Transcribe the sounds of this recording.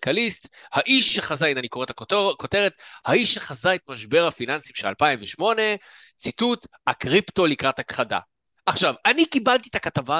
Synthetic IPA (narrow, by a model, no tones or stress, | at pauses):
kalist̪haʔiʃːeχazainanikoetako̞te̞ʁet̪haiʃʃeχazaet̪maʃbe̞ʁhafinansimʃea̰lpaimveʃmo̞ne̞ | t͡situt̪hakʁipto̞likʁathakχada̰ | ʔaχʃavanikibalt̪̬it̪akatava